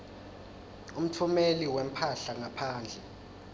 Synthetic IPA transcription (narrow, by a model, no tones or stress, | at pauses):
um̩tʰumeliwem̩pʰaɬaŋapʰaːnd͡ɮʱɛ